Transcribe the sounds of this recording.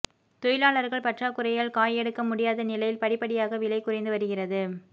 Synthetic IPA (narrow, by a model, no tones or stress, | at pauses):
t̪ɔjɪlaːɭɐɾɣɐɭpɐʈraːkʊrɐjaɭkaːjɛɽɯkːɐmʊɽɪjaːðɐnɪlɐjɪlpɐɽɪpːɐɽɪjaːɣɐʋɪlɐɪkʊrɐɪnd̪ɯʋɐɾɯɣɪrɐðɯ